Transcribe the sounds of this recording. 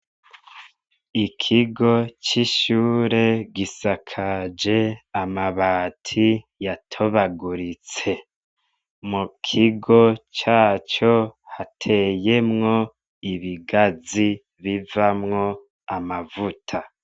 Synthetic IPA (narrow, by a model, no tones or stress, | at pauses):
ikʰiɡo̞t͡ʃiʃuːɾe̞ɡisakʰad͡ʒe̞amaβaːtʰi | jatʰo̞βaɡuɾit͡se̞ | mukʰiɡo̞t͡ʃaːt͡ʃo̞hatʰe̞je̞mŋo̞ | iβiɡazi | βivamŋo̞ | amavutʰa